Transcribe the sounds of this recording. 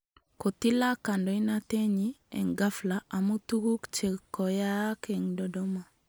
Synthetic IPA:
ko˨t̪i˦la˦ka˨ndɔ˨i˦na˦t̪e˦ɲi˦ɛ̰˨ŋɡa˦fla˨ʔa˨mu˦t̪u˦ku˦kt͡ʃe˨kɔ˨ja˦ke˨ŋdɔ˨dɔ˦ma˨

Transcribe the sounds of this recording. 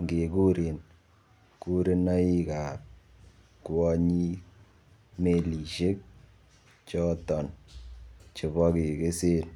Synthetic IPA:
ŋɡe˨ku˦ɾi˨n | ku˦ɾi˦na˦i˦ka˨p̚ | kwɔ˦ɲi˦ | me˨li˨ʃe˦k̚ | t͡ʃɔ˦tɔ˨n | t͡ʃe˨bɔ˦ke˨ke˦se˦n

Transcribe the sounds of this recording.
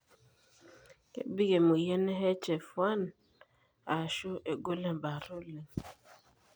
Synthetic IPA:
kḛ˦bi˦ɡe˨mu˨jɛ˦n˦ɦɛ˦t͡ʃɛ˨fwa˦n | a˨ʃo˦ʔe˨ɡo˦lɛ˦ba˨ɾo˦le˨ŋ

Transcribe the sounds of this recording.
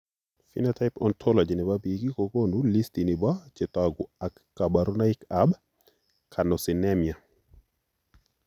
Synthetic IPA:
fḭ˦nata˦ɪpɔ˨ntʰɔ˦lɔ˨d͡ʒi˨nɪ˨ba˦biɡi˦ko˨ko˦nu˦li˦sti˨nɪ˨ba˦t͡ʃe˨t̪a˨ɡʊ˨a˨kːa˨ba˨ɾu˦na˦ɪ˦kab | kʰa˨nɔ˨sɪ˨nɛ˦mja˨

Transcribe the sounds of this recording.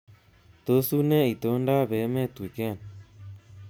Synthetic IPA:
t̪o˦su˦nɛ˦i˨t̪o˨˦nda˦βe˨˦mɛ˦t̪u˨kɛ˦˨n

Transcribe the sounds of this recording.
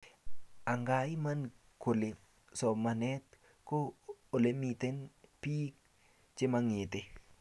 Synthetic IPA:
a˨ŋɡa˨i˦ma˦n | ko˨le˨ | sɔ˨ma˨nɛ˦t̪ | koː˦˨le˦mit̪e˦npi˦k | t͡ʃɪ˦ma˧ŋe˨t̪e˦

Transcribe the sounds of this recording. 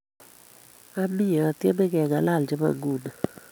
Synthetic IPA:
a˦mɪ˦ɔ˨a˨tje˦mɛ˦ɡɛ˨ŋa˨la˦˨ld͡ʒe˦ma̰˨ŋɡu˦˨na˨

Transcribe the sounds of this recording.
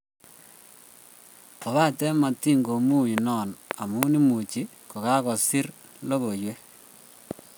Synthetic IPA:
ɔ˨βa˦tɛ˦ma˨ti˦ŋɡo˨mu˦i˨nɔ˨na˨mu˦ni˦mu˨t͡ʃi˦ | kɔ˨ka˦kɔ˨si˦ɾ | lo˦ɣo˨jwe˦

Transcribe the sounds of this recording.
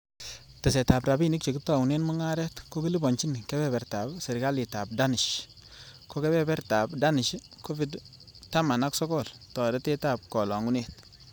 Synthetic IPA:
tɛ˨s̬ɛ˨ta˨bɾa˨bi˦nɪ˦k̚t͡ʃe˨kɪ˦tɔ˨ŋu˨ne˦nmɔ˦ŋa˦ɾɛ˦tko˦ki˦li˦bɔ˨ɲt͡ʃi˦nkɛ˦bɛ˦˨bɛ˨rta˨bsɛ˨ɾɪ˨ɡa˦lɪ˨ta˨b̚da˦nɪ˨ʃ | ko˦kɛ˦bɛ˦bɛ˦ɾta˨bda˦nɪ˨ʃko˦fi˨d | ta˦ma˨na˦ksɔ˦kɔ˦˨ltɔ˨dɛ˦tɛ˦ta˦˨b̚kɔ˨lɔ˨ŋu˦ne˨t̚

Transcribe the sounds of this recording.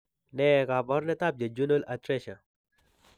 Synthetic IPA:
nɛ˨ka˨bɔ˦ɾnɛ˦t̪a˦˨p̚d͡ʒa˨d͡ʒu˦no˦la˨tɾɛ˦ʃa˨

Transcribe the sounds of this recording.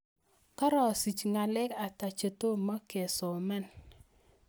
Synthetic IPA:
ka˦ɾɔ˨si˨t͡ʃŋa˨lɛ˦ka˨ta˨t͡ʃe˨to˦ma˦ke˨sɔ˨ma˦n

